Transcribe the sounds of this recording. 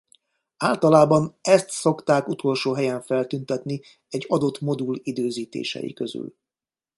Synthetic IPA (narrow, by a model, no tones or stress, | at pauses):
aːlt̪ɒlaːbɒnɛst̪so̞kt̪aːkut̪ʰo̞lʃoːɦɛjɛɱfɛlt̪ynt̪ɛt̪ni | ɛɟːɒd̪o̞t̪mo̞d̪ulid̪øːziːt̪ḛːʃɛ̰ḭkø̞zy̰l